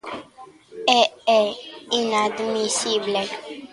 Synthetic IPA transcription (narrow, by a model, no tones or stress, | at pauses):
ɛɛinad̪misible